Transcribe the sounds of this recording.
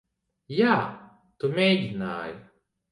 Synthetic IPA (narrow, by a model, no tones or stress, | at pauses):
jaː | t̪umʲejd̪ʲina̰ːj